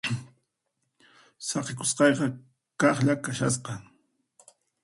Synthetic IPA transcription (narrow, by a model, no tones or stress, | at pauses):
sɑqɪkʊsqɑjqɑ | kɑχʎakaʃa̰s̬qɑ